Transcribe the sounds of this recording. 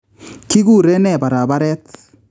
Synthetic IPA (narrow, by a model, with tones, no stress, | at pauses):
ki˦ɣu˦˨ɾe˦nɛ˦˨ba˨ɾa˨βa˦ɾɛ˦t